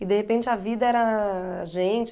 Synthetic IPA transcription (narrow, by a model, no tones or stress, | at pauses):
ɪd̪ehepẽt͡ʃɪɐvid̪ɐɛɾɐʒẽt͡ʃ